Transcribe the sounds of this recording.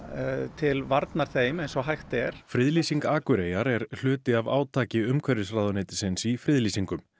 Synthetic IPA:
t̪ʰɪlvaɾt̪naɾ̥θeːjmejnsɔɦajxt̪ɛɾ̥fɾɪðliːsiŋkaːkʏɾeːjaɾɛɾ̥l̥ʏːt̪ɪavaːwt̪ʰaːcɪʏmkʰvɛɾɪsɾaːðɔneːt̪ɪ̥sɪnsifɾɪðliːsiŋkʏm

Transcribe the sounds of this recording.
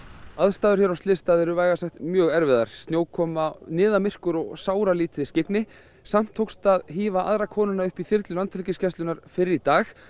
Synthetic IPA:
aðst̪aːðʏɾ̥çɛɾawst̪ɪst̪aːðɛɾʏvaːjɣasaxt̪mjœːɣɛɾvɛða̰ɾ̥st̪njoːwkʰɔːmanɪːðamɪr̥kʏɾɔɣsaːwɾaliːt̪ɪðɪscɪknɪ | sam̥t̪ʰːowkst̪aðɦiːvaʔa̰ðɾakʰɔːnʏnːaʏhpiθɪɾt̪lʏlant̪ʰɛlcɪscɛst̪lʏnaɾ̥fɪɾɪɾit̪aːx

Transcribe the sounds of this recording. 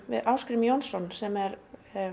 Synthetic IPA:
vɪ̰ðʔawskɾɪmjɔnsɔnsɛmɛɾ

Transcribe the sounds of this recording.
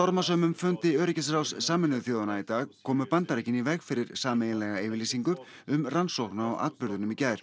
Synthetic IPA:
t̪ɔɾmasœːmʏmfʏnt̪ɪœːɾɪcas̬ɾawssaːmɪnɪðʏθjoːðanait̪aːɣkʰɔːmʏpant̪aɾɛcɪnivɛɣfɪɾɪɾ̥saːmɛjɪlɛɣaɪːvɪɾliːsiŋkʏ | ʏmransowhknaɔʔa̰ːt̪pʏɾðʏnʏmicaːjɾ̥

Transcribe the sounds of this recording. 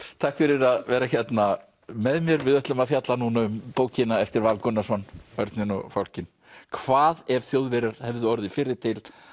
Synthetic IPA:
t̪ʰaːhkfɪɾɪɾaðvɛːɾaçjɛt̪na | mɛðmjɛɾvɪðœht̪lʏmaðfjat̪lanunaʏmpoːwcɪnaɛft̪ɪɾvalkʊnːasɔnœɾt̪nɪnɔ̰ɣfowl̥cɪn | kʰvaːðɛv̥θjoːwðvɪɾaɾ̥hɛvðʏɔɾðɪfɪɾːɪɾ̥t̪ʰɪl

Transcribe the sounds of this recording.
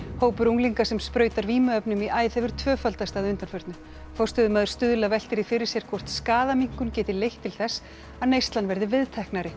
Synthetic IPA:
hoːwpʏɾuŋliŋkasɛmspɾœːɥjt̪aɾviːmʏœpnʏmiʔaːjðhɛvʏɾ̥t̪ʰvœːfalt̪ast̪aðʏnt̪anfœɾt̪nʏ | fɔr̥st̪ʏðʏmaːðʏɾ̥st̪ʏðlavɛl̥t̪ɪɾɪfɪɾɪ̥sjɛɾ̥kʰvɔr̥t̪skaːðamiŋ̥kʏncɛːt̪ɪlejht̪ʰːɪlθɛsː | aðnejst̪lanvɛɾðɪvɪðt̪ʰɛhknaɾɪ

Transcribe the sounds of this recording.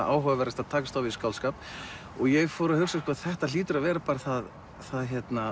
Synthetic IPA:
a̰ːwɦœːvvɛɾast̪aðt̪ʰaːkast̪awviskawlskaːp | ɔɣjɛɣfɔːɾɪahʏksaskʰɔaðθɛht̪aliːt̪ʏɾavɛːɾapaːɾaθað | θaðçjɛt̪na

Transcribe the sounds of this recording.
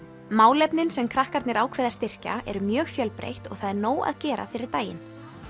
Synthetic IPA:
maːwlɛpnɪnsɛmkʰɾahkaɾt̪nɪɾaːwkʰvɛːðḁst̪ɪr̥ca̰ɛ̰ɾʏmjœːɣfjœlpɾḛjht̪ɔ̰ɣθaðɛɾnoːwa̰ðcɛːɾa̰fɪɾɪɾt̪aːjɪ̰n

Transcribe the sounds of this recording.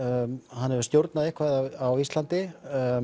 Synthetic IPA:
hanːɛvʏ̥st̪jowɾt̪naðehkʰvaðaawist̪lant̪ɪ

